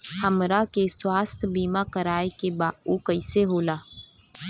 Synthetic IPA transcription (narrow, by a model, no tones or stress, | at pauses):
həmɾakeswaːst̪ʰbiːmakəɾaːekebaːokəɪseɦoːlaː